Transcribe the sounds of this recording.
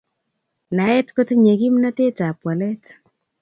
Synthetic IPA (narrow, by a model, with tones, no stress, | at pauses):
na˨˦ɛ˦tko˦tɲe˨ki˦mna˦te˦ta˨pwa˨lɛ˦t